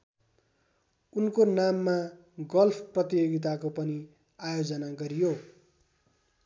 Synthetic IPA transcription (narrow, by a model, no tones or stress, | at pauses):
unkonamːa | ɡʌlpʰprʌt̪ijoɡit̪̬akopʌni | ajod͡zʌnaɡʌɾijo